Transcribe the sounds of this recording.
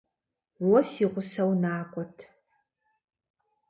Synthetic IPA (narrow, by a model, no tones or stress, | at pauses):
wɔsiːʁʷʊsɐwnaːkʷʼɔtʰ